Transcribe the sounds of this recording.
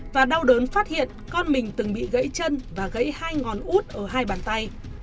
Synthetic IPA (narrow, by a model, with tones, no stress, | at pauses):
vaː˨˩ɗa˧wɗəː˨˦nfaː˦˥t̚hḭ˧˨ənkɔ˧nmï˨˩ŋ̟t̪ɨ˨˩ŋɓḭ˧˨ɣə̰˧˥jt͡ɕə˧nvaː˨˩ɣə̰˧˥jhaː˧jŋɔ˨˩nʔu˦˥t̚ʔəː˧˩ɦaː˧jɓaː˨˩nt̪a˧j